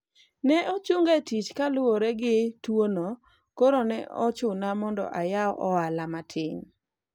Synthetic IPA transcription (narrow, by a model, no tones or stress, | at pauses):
nɛʔot͡ʃuŋɡetit͡ʃkalʊwoɾɛɡɪtwono | koɾonɛ̰ɔt͡ʃʊnamɔndɔ̰ʔajaɔʔɔalamatʰɪɲ